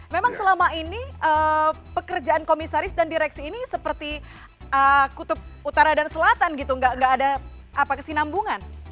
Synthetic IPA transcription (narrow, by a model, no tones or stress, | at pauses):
memaŋsəlamainiə | pəkərd͡ʒaʔankomisaɾɪsdandiɾɛksiːnisəpərt̪i | əkut̪ʊp̚ut̪aɾadansəlat̪anɡit̪uŋɡaʔŋɡaːda | apakəsinambuŋan